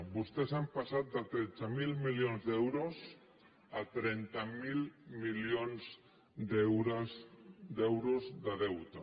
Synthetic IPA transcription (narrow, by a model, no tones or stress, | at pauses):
bost̪esampasat̪̚d̪at̪ɾet͡samilmiljonzðewɾos | at̪ɾent̪amilmiljonz | d̪ewɾasd̪ewɾozðaðewt̪a